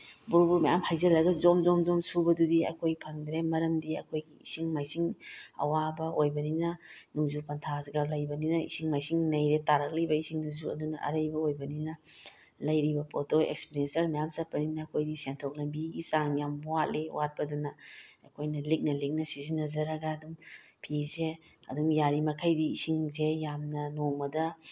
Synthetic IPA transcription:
buɾbuɾmɐjamhajzɐlːɐɡɐzomzomzomsubɐdudiɐ̰kʰojpʰɐŋd̪ɾemɐɾɐmdiɐ̰kʰojɡiisiŋmajsiŋɐ̰wabɐojbɐninɐnuŋzupɐntʰazɡalɐjbɐninɐḭsiŋmajsiŋnɐjɾetaɾɐk̚lɐjbɐisiŋnuzuɐ̰dunɐ̰ʔɐ̰ɾɐjbɐojbɐninɐ | lɐjɾibɐpotʰoḛkspiɾensɐɾnajamsɐt̚pɐninɐːkʰojdisentʰok̚lɐmbiɡisaŋjambuwat̚lewat̚pɐdunɐɐkʰojnɐlik̚nɐlik̚nɐsizinɐzɐɾɐɡɐːdumpʰize | ɐ̰dumjaɾimɐkʰajdiːsiŋzejamnɐnoŋmɐdɐ

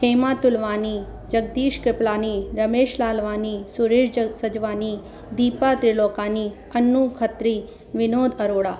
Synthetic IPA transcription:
ɦeːmat̪ʊlʋaːni | d͡ʒəɡ̚d̪iːʃkɾɪplaːniɾəmeːʃlaːlʋaːnisʊɾeːʃsəd͡ʒʋaːni | d̪iːpat̪ɾɪloːkaːni | ənːukʰət̪ɾi | ʋɪnoːd̪əɾoːɽaː

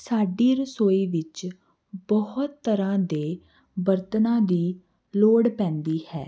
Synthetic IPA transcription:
saːɖiːɾəsoːiːʋɪt͡ʃ | bɔhʊt̪ːəɾãːd̪eː | bəɾt̪nãːd̪iː | loːɽpɛ̃ːnd̪iːhɛ̰ː

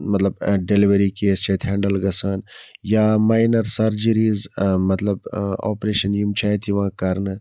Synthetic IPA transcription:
mɐt̪lɐbɖeliʋɐɾiːkeːst͡ʃʰɐt̪ʰɦɛ̃ːɳɖəlɡɐsaːnjaːmaːjnɐɾsɐɾd͡ʒəɾiːzmɐt̪lɐba̰ːpɾeːʃɐnjimt͡ʃʰaːjt̪ʰiʋãːkɐɾnɨ

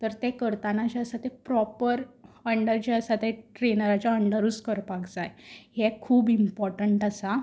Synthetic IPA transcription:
t̪əɾt̪ekəɾt̪anat͡ɕaəsat̪epɾɔpəɾəɳɖəɾt͡ɕeəsat̪eʈɾenəɾat͡ɕjaəɳɖəɾuːskəɾpaɡd͡zajehekʰuːbimpɔɾʈəɳʈəsa

